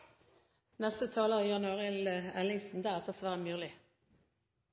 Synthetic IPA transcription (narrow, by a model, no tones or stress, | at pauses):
nɛst̪ət̪ʰɑːləʁəiːjɑnʉɑːʁɪləɛlɪŋsn̩d̪æːʁɛt̪ʰəʁsʋæːʁəmʉːʁlɪ